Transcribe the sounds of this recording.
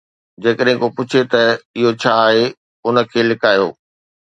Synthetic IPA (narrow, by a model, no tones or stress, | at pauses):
d͡ʑeːkəɗɦɪ̃kopʊt͡ɕʰet̪ɐɪɦot͡ɕʰaːɦe | ʊnə̆kʰeːlɪkaːjo̰ː